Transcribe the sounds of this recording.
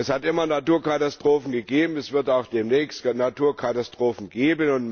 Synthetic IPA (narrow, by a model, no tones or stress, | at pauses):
ɛshatʔɪmɐnatuːɐkatastʁ̥oːfn̩ɡəɡeːbm̩ɛsv̥ɪɐtaʊxd̥eːmnɛːçstnatuːɐkʰatastʁ̥oːfn̩ɡeːbənʊnt